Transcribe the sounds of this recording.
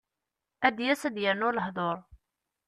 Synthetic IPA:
æd̪jæsæd̪jəɾnʊɾləhðˤoɾˤ

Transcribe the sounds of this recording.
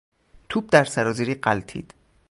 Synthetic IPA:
t̪ʰuːb̚d̪æɾsæɾɒːziɾiːɢælt̪ʰḭːd̪̥

